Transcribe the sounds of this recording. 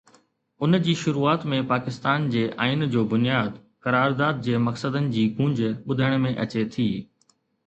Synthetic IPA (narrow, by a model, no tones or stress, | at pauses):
ʊnd͡ʑiːʃʊɾuːaːt̪mẽpaːkɪst̪aːnd͡ʑeːʔaːɪnd͡ʑoːbʊnijaːd̪ | kɐɾaːɾd̪aːd̪̚d͡ʑeːmɐksəd̪ənɪ̆d͡ʑiːɡũːɲd͡ʑɓʊd̪ʱəɽ̃mẽʔɐt͡ɕet̪ʰiː